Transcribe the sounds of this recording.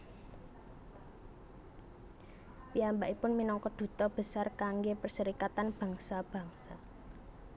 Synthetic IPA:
piambaʔipʊnminɔŋkɔd̪̥ṳt̪ɔb̥ə̤sarkaŋɡepərsəɾikat̪anb̥ä̤ŋsab̥ä̤ŋsa

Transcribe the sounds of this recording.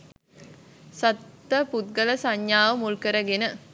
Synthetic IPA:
sɐt̪ːəput̪̚ɡələsaɲjaːʋəmulkəɾəɡenə

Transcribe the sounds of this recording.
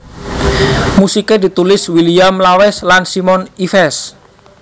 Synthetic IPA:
musiked̪i̤t̪ulɪswiliamlawɛslansimɔnifɛs

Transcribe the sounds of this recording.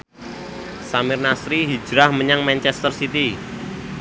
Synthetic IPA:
samɪrnasɾiɦi̥d͡ʒ̥ɾahməɲaŋmant͡ʃɛst̪ərsit̪i

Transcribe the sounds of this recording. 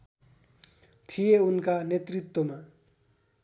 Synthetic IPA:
t̪ʰijeunkanet̪rit̪woma

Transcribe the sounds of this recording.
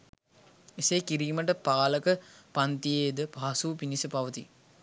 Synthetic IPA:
eseːkiɾiːməʈ̬əpaːləkəpant̪ijeːd̪əpaːsuːpinisəpaʋət̪i

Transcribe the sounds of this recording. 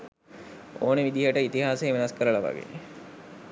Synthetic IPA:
oːnəʋid̪iɦəʈəit̪iɦaːsejʋenaskəɾəlaʋa̰ɡḛne

